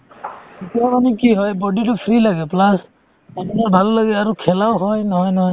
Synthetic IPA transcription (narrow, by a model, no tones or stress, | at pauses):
itijamanɛkiɦɔjbɔditʊpʰɹilaɡɛplas | apinabʱalːaɡɛaɹukʰɛlawɦɔjnɔɦɔjnɔɦɔj